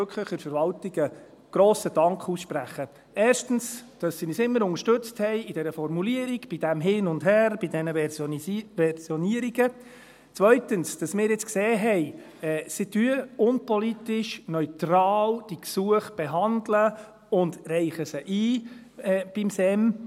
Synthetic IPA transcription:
økʰləχɪɾfəɾʋɑltiɡ̥ə | ɡ̥ɾoːsəd̥ɑŋkχuːsʃpræχə | ɛːɾʃtən̩sd̥ɑsːinisɪmːəɾʊŋəʃtɵt͡sthɛɪɪdɛɾəfɔrmuliəɾiɡ̥b̥idæmɦɪːnʊndɦæːrb̥idɛnəsʋɛɾsjɔniəɾiɡə | t͡sʋœʏtənsd̥ɑsmɪːɾjɪt͡skseːɦɛɪ | ɛːsɪdyəʊnpɔlitɪʃnœʏtrɑːld̥iksuəχb̥eɦɑndlə | ʊndrɛɪχəsəʔiː | ɛːb̥ɪmsɛm

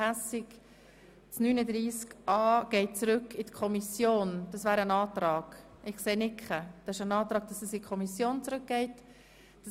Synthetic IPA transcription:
æsɪk | t͡snyːnədɾiːskʔɑːɡ̥ɛɪt̚t͡sɾʏkːɪtkʰɔmisjoːnd̥ɑsvæːɾənɑːt̪ɾɑːɡ̥ | ɪχkseːnɪkχəd̥ɑɪʃənɑːt̪ɾɑːɡ̚d̥ɑsɛsɪkʰɔmisjoːnt͡sɾɵk̚ɡ̥ɛɪt | d̥ɑ

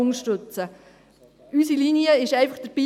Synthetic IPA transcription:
ʊŋʃtɵt͡sə | ʔysiliniəɪʃɛɪfəχd̥əɾb̥iː

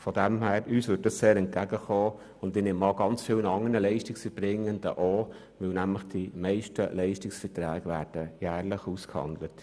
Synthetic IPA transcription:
fɔd̥ɛmɦæːɾyːsʋʏːt̚dɑsseːɾɛnt̚ɡ̥æɡəχoː | ʊnd̥ɪnɪmɑlɡɑnt͡sfɪwnɑŋənəlɛɪʃtɪksfəɾb̥ɾɪŋəndə̰ʔoː | ʋɪwnæmləχd̥ɪmɛɪʃtəlɛɪʃtɪksfətɾæːɡʋæːɾd̥əjæːrlɪχuskhɑ̰nd̪lət

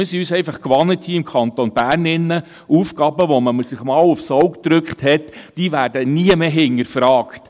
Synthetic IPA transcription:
mɪsiyːsɛɪfɑχkʋɑnːəthiːɪmkʰχɑnt̪onb̥æːrnɪnːə | uːfɡ̥ɑːbəʋɔməməsɪχmɑːlufsɔwkd̪̥ɾʏkχthɛtd̥iːʋæːɾdəniəmeːɦɪŋəɾfɾɑːkt

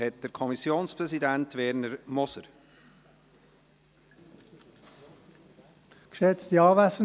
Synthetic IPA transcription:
ɛt̚d̥əɾkʰɔmisjoːnspʁɛsidæntvɛɾnəɾmɔsəɾ | kʃɛt͡stiɑːvæsə

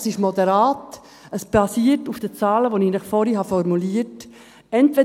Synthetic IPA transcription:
sɪʃmɔd̪əɾaːt | əsb̥ɑsiːətufd̥ət͡sɑːləʋoninəχfɔɾiɦɑfɔɾmuliːət | ɛntʋɛ

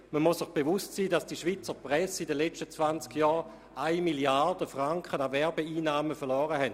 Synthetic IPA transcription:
məmusɪχb̥eʋustsiːdasd̥iʃʋiːt͡səpʁɛsidəlet͡ʃtət͡svant͡skjɔː | aɪmiljard̥əfʁaŋkχənaʋɛɐbeiːnaːməfɛɐʁlɔːʁəɦɛnt

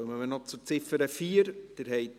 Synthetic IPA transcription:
məmənɔt͡sʊɾt͡sɪfəɾəfiːəɾd̥əɾɦɛɪt

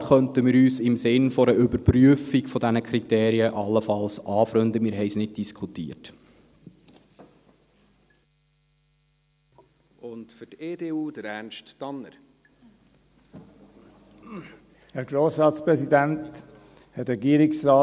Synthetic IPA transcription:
χœntəmɪːɾyːsɪmsɪnfɔɾəʔʏbəɾpryəfikfɔdænəkʰɾit̪eːɾiəʔɑlːəfɑlsʔɑːfɾʏnd̪əmɪːɾɦɛɪsnɪd̚d̥iskʰutḭːət | ʊntfʏteːdeːuːd̥̪əɾænʃtːɑnːəɾ | hæɾɡɾoːsɾɑːtspɾɛsid̪ænt | hɛɾɛɡiːɾɪksɾɑː

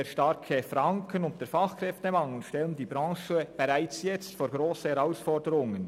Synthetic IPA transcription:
eʃtaɾkʰəfɾaŋkʰənʊnt̚d̥eːfɑχkɾɛftəmɑŋl̩n̩ʃtɛləndiːbʁɑ̃ːʃəb̥eʁaɪt͡sjɛt͡stfoːɾɡɾoːsəhɛʁaʊsfɔɾdəɾʊŋən

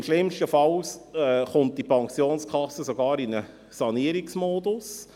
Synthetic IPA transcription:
mʃlɪmʃtəfɑlsɛχʊnt̚d̥ipʰɑŋsjoːnskʰɑsəsoɡɑːɾinə | sɑniəɾiksmoːdus

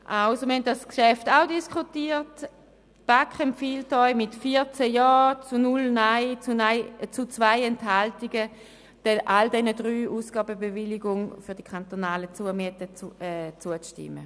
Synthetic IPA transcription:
ʔaʊsoməɐhɛnt̚daskʃɛftaʊdiskχutiːt | b̥akχɛmfiːltɔʏmɪtfiɐt͡sɛjɔːt͡sunʊlnaɪt͡snaɪt͡sut͡svaɪɛntɦaltiɡə | d̥ɛʔaldɛnədʁyːʔuːsɡ̥aːbəbevɪliɡʊŋfʏɐd̥ikʰantonaːlət͡suəmiətəɛt͡suət͡stɪ̰mːə̰

